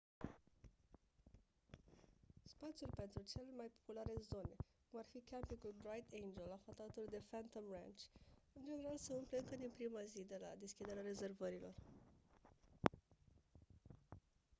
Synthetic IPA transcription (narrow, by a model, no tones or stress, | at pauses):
spat̪sjulʲpe̞nt̪ɾut͡ʃe̞lemajpo̞̥pulaɾe̞zo̞ne̞kumarfikʰʲampikulbɾajt̪ʰejnd͡ʒe̞lafat̪at̪uld̪e̞fant̪omra̰nt͡ʃʲɨnd͡ʒene̞ɾalseumple̞ɨŋkəd̪inpɾimazid̪e̞la̰d̪eskʲid̪e̞ɾeaɾe̞ze̞rvəɾilo̞r